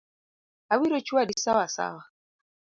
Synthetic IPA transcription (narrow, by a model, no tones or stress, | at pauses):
awiɾot͡ʃuadisawasa̰wa